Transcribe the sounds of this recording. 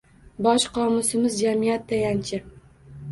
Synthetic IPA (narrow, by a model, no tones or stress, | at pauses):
bɒʃqʰɒmʊsɪmɪzd͡ʒamijat̪ːajant͡ʃʰɪ